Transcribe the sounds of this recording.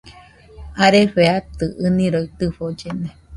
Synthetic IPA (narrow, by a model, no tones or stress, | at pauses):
aɾeɸeat̪ɨʔɨnĩɾoit̪ɨɸod͡ʒene